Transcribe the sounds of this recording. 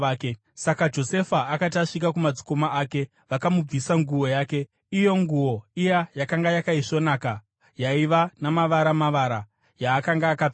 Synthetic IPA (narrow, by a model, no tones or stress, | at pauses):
ke | sakad͡ʒo̞se̞faːkataʂik̬ak̬umad͡zi̥ko̞maaːke̞ | ʋakamub͡visaŋɡuwo̞jaːke̞ | ijo̞ŋɡuwo̞ijajakaŋɡajakaiʂo̞naːka | jaiʋanamaʋaɾamaʋaɾa | jaːkaŋɡaːka